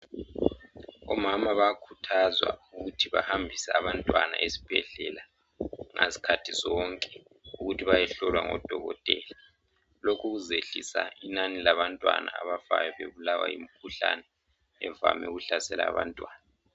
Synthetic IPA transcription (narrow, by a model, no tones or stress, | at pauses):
ɔmamaβakʰutʰazwa̰uɣutʰiβahambʱisɛaβantʼwanaʔesi̥b̥ʱɛɮɛla | ŋʔasi̥kʰatʰizɔŋkʼɛ̥ | uɣutʰiβajɛɬɔlwaŋɔd̥ʱɔɣɔtʼɛːla | lokʰuɣuzeɬisainanilaβantʼwana̰aβafajɔβeβulawa̰jimikʰuɬanɛː | va̰mɛ̰uɣuɬasɛla̰ːβa̰ntʼwaːna